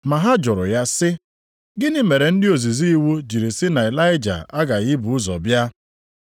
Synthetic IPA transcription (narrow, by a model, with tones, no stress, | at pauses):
ma˨ɦa˦d͡ʒʊ˨ɾʊ̰˨ja˦sɪ˦ | ɡɪ˦nɪ˦me˨ɾe˨n̩˦dɪ˦o˨zi˨zi˦i˦wu˦d͡ʒi˨ɾi˨sɪ˦na˨ɪ˨la˦ɪ˦d͡ʒa̰˨a˦ɡa˨ɣɪ˦bʊ˨ʊ˦zɔ̰˨bja˦